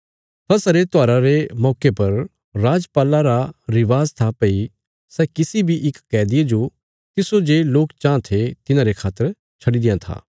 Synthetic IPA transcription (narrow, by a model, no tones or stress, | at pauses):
t̪ʰɐsɐɾet̪ʊaːɾaɾemɔːkepɐɾː | aːd͡ʒpaːlaɾaɾɪʋaːzt̪ʰapɐi | sɛkɪsibʱiʔɪkːɛːd̪ɪed͡ʒo | t̪ɪsod͡ʒeːloːkt͡ʃãːt̪ʰet̪ɪnãɾekʰaːt̪əɾ | t͡ʃʰɐɽid̪ɪjãt̪ʰa̰ː